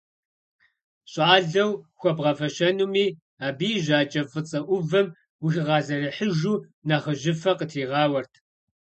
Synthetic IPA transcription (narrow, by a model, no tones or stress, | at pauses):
ɕʼɑːɮɐwxʷɔbʁɐfɐɕɐnumiː | aːbiːʑaːt͡ʃʼɐfʼɨt͡sʼɐʔʷʊvɐm | wɪxɪʁɑːzɐriħəʒuː | naχəʑɪfɐqətʰiːʁɑːwɐrtʰ